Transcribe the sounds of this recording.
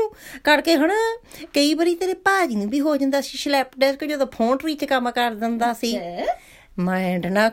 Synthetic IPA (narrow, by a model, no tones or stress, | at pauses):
kəɽkeːɦəɳaːkəiːbəɾiːt̪eːɾeːpaːd͡ʒiːnũːbiːɦoːd͡ʒãːnd̪aːsiːʃlɛːp̚ɖɛːskəd͡ʒoːd̪aːpʰõːʈɾiːt͡ʃkəmkəɾd̪ɪnd̪aːsiː | mãːɪɳɖnaː